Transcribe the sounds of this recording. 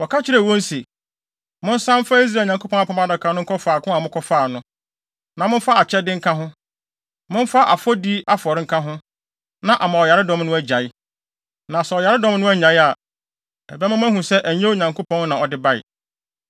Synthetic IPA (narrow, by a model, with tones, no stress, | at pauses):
wɔ˨kʰa˦t͡ɕʰɪ˦ɾɛ˨wɔ̃˦n̩˦se˨ | mʊ̃˦n̩˦sã˦m˦fa˦i˦s̬ɾa˨ɲã˨ŋkʰo˦pʰɔ̃˦a˦pʰɔ̃˨˦m˦a˦˨da˨kʰã˨˦n˦ʊ̃˦ŋ̩˦kʰɔ˦fa˨kʰʊ̃˦a˨mʊ̃˦kʰɔ˦faː˦˨nʊ̃˦ | nã˨mʊ̃˦n̩˦fa˦a˨t͡ɕʰɛ˦dɪ̃˦ŋ̩˦kʰã˦ɦʊ̃˦ | mʊ̃˦m̩˦fa˦ʔa̰˨fɔ˦di˦a˦fʊ˨ɔ˨ɾɪ˦ŋ̩˦kʰã˦ɦʊ̃˦ | nã˨ʔa˨mã˨ɔ˨ja˨ɾɪ˦dɔ̃˦mnʊ̃˦æ˦d͡ʑa˨ɪ˦ | nã˨sɛ˨ɔ˨ja˨ɾɪ˦dɔ̃˦m˦nʊ̃˦æ˦ɲã˨ɪ˦a˨ | ɛ˨bɛ˦mã˦m˦æ̃˦ɦũ˨sɛ˦ʔæ˨ɲẽ˦wɲã˨ŋko˦pʰɔ̃˦nnã˨ɔ˨dɪ˦ba˦ɪ̰˨